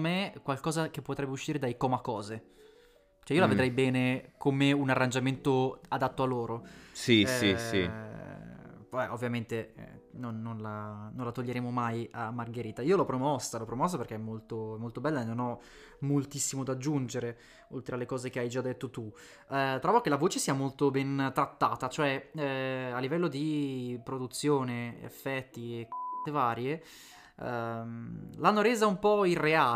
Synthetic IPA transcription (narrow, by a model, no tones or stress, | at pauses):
mekwalkɔːzak̟epːot̪ɾɛbːeuʃːiːɾed̪ajkɔmakɔːze | t͡ʃɛijolaved̪ɾɛjbɛːnekomeunarːand͡ʒament̪oad̪at̪ːoalːoːɾosiisi | pʔovːjament̪eɛ̰nonːonlanonlat̪oʎːeɾeːmomajamːarɡeɾiːt̪aiːolɔpɾomɔsːalɔpɾomɔsːaperkeɛmːolt̪oɛmːolt̪obɛlːaenːonɔ | molt̪isːimod̪ad͡ʒːund͡ʒeɾe | olt̪ɾealekɔːzekeajd͡ʒad̪ːet̪ːot̪u | t̪ɾɔːvok̟elavoːt͡ʃesiːamolt̪obɛnt̪ɾat̪ːaːt̪at͡ʃoɛ | alːivɛlːod̪ipɾod̪ut̪sːjoːneḛfːɛt̪ːiekt̪evaːɾje | mlanːoɾeːzaumpɔirːeaː